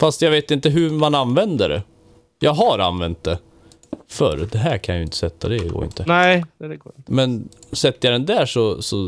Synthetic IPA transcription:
fast̪jɑveːt̪ɪnt̪əɦɵmananvɛnd̪əɖɛ̰ | jɑːɡɦaɾa̰nvɛnt̪̚d̪ɛ | fœ̰ɾd̪ɛɦæːɾkʰanjʏɪnt̪ːə̥sɛt̪ʰːad̪ɛɡo̰ːɾɪ̰nt̪ʰəɛɡ̪mɛnsɛt̪ːəjɑd̪ɛnd̪æːʂɔsɔ

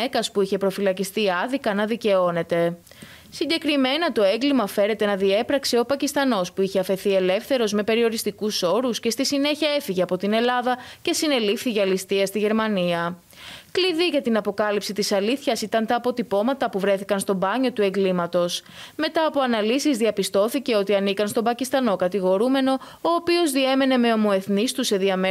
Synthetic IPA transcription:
ekɐspuiçe̞pɾo̞filɐcist̪iɐðikɐnɐðice̞o̞ne̞t̪e̞ | siɲɟe̞kɾime̞nɐt̪o̞e̞ŋɡlimɐfeɾe̞t̪e̞nɐðie̞pɾɐkseo̞pɐcist̪ɐno̞spuiçe̞ɐfe̞θie̞le̞fθe̞ɾo̞zme̞pe̞ɾio̞ɾist̪ikuso̞ɾusce̞st̪isine̞çiɐe̞fiʝe̞ɐpo̞t̪ine̞lɐðɐce̞sine̞lifθiʝeɐlist̪iɐst̪iʝe̞ɾmɐniɐ | kliðiʝɐt̪inɐpo̞kɐlipsit̪isɐliθçɐsit̪ɐnt̪ɐːpo̞t̪ipo̞mɐt̪ɐpuvɾe̞θikɐnst̪obɐɲo̞t̪ue̞ŋɡlimɐt̪o̞sme̞t̪ɐːpo̞ɐnɐlisizðiɐpist̪o̞θice̞o̞t̪iɐnikɐnst̪o̞bɐcist̪ɐno̞kɐt̪iɣo̞ɾume̞no̞ | oːpio̞zðie̞me̞ne̞me̞o̞mo̞e̞θnist̪use̞ðiɐm

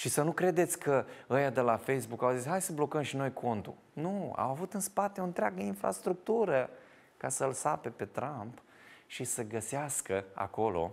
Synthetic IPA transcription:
ʃisənukɾe̞d̪e̞t̪sʲkəəjad̪e̞lafejs̬bukawzishajsəblo̞kəmʃino̞jkʰo̞nt̪ṵ | nua̰wavut̪ɨnspat̪e̞oɨnt̪ɾʲeaɡəinfɾa̰st̪ɾuk̚t̪uɾə | kasəlsape̞pe̞t̪ɾamp | ʃisəɡəseaskəa̰ko̞lo̞̰

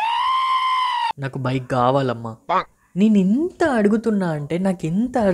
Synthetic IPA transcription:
naːkubʱɐjɐkːaːʋaːlɐmːaː | neːnuint̪ɐːɐɽuɡut̪unːaːɐɳʈe̞ːnaːkint̪ɐː

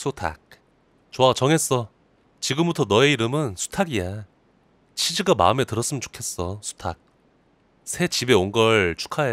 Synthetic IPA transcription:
sʰotʰa̰k̚ | t͡ɕoat͡ɕʌŋe̞s͈ʌ | t͡ɕiɡɯmbutʰʌnʌe̞iɾɯmɯnsʰu̥tʰaɡia | t͡ɕʰid͡ʑiɡama̰ɯme̞tɯɾʌs͈ɯmɯnt͡ɕo̥kʰe̞s͈ʌsʰu̥tʰak̚ | sʰe̞t͡ɕibe̞onɡʌɭt͡ɕʰu̥kʰae

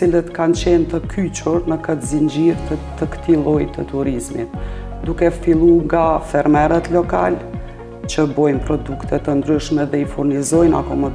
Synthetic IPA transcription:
t͡silət̪kant͡ɕɛnt̪əkʰyt͡ʃuɾnəkət̪zind͡ʑiɾt̪t̪əkə̥t̪ilˠɔjt̪ət̪uɾizmḭt̪ | d̪ukɛfilˠuŋɡafɛɾmɛɾət̪lɔka̰l | t͡ɕəbɔjnpɾɔd̪ukt̪ʰɛt̪ənd̪ɾyʃmɛðɛifuɾnizɔjna̰kɔmɔd̪

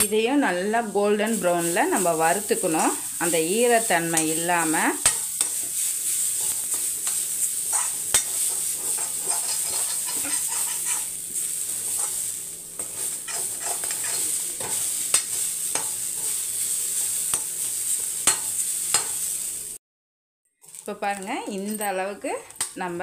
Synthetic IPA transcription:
ɪðɐjʊ̃nɐlːɐɡoːlɖɐnbɾɐʊnlɐnɐmbɐʋɐɾɯt̪ːɯkːɐɳʊ̃ | ɐnd̪ɐiːɾɐt̪ːɐɳmɐɪɪlːaːmɐ | ɪpːoːpaːɾɯŋɡɐɪnd̪ɐːɭɐʋɯkːɯnɐmbɐ

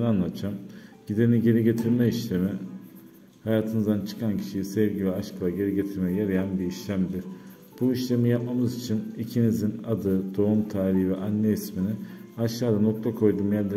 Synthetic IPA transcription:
nanlˠat̪t͡ʃʰamɟ̥id̪eniɟe̞ɾiɟe̞t̪ʰiɾmɛiʃlʲemi | hajaːt̪ʰɯnɯzd̪ant͡ʃʰɯ̥kʰancʰi̥ʃijisevɟivɛaʃkʰɯlˠaɟe̞ɾiɟe̞t̪ʰiɾmɛjjaɾajanbiiʃlʲæmd̪iɾ̥ | b̥uiʃlʲe̞mijap̚mamɯzit͡ʃʰinicʰinizinad̪ɯd̪̥o̞umt̪ʰaːɾʲiɦivɛʔanːɛisminɪ | aʃaːd̪ano̞k̚t̪ʰakʰo̞jd̪uːmjæɾd̪e

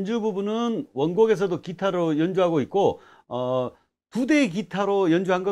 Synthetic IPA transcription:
nd͡ʑububunɯnwʌnɡoɡe̞s̬ʰʌdokitʰaɾojʌnd͡ʑuɦaɡoit̚k͈o | ʌ | tudek̬itʰaɾojʌnd͡ʑuɦanɡʌ

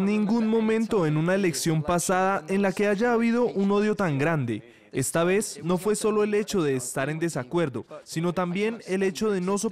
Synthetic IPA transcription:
nĩŋɡunmõ̞mẽ̞nt̪o̞e̞nunae̞le̞ksjo̞mpasaðaʔe̞nlake̞ad͡ʒaːβiðo̞ʔuno̞ðjo̞t̪aŋɡɾand̪e̞ | e̞st̪aβe̞zno̞fwe̞so̞lo̞e̞le̞t͡ʃo̞ðe̞ːst̪aɾe̞nd̪e̞sakwe̞ɾd̪o̞sino̞t̪ambje̞ne̞le̞t͡ʃo̞ð̞e̞no̞s̬o

